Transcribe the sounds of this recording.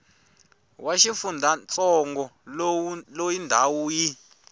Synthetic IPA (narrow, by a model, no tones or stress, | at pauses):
waʃifundʱant͡sɔŋɡɔllojindʱawuːji